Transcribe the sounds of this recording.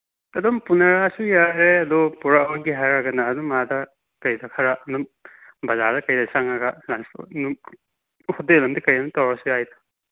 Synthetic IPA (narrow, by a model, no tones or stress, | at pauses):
ɐdompunɐɾasujaɾeɐdɔpuɾaɐwaɡiɦajɾaɡɐnɐːdumadɐ | kɐjdɐkʰɐɾaɐnum | bɐzadɐkɐjdɐsaŋaɡɐlansnu | hɔtelɐmdikɐjɐnutawɾasujajdɐ̥